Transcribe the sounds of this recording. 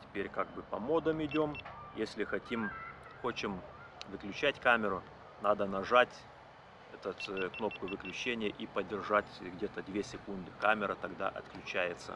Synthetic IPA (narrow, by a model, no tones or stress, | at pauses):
tʲɪ̥pʲeɾʲkaɡ̚bɨpɐmo̞d̪əmɪdʲo̞mjesʲlʲɪxɐtʲim | xo̞t͡ɕɪm | vɨklʲʉt͡ɕætʲkamʲɪɾʊ | nad̪ənɐʐatʲ | ɛt̪ət̪kno̞p̚kʊvɨklʲʉt͡ɕenʲɪjəʔipədʲɪrʐatʲɡdʲet̪əd̪vʲesʲɪkund̪ɨkamʲɪɾət̪ɐɡd̪a̰ʔɐ̰t̪klʲʉt͡ɕæjɪt̪sə̰